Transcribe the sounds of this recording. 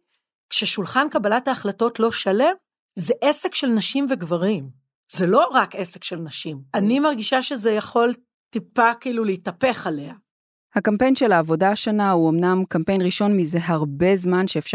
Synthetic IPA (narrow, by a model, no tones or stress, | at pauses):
kʃeʃulχankabalathaːχlato̞tlo̞ʃale̞m | zeʔesekʃelnaʃimveɡvaʁim | zelo̞ʁake̞sekʃelnaʃimanimaʁɡiʃaʃe̞zejaχo̞l | tipakiiluleitɐpe̞χale̞a | hakampe̞jnʃe̞laːvo̞daʃanauomnamkampe̞jnʁiʃo̞nmize̞ɦaʁbe̞zmanʃeːfʃ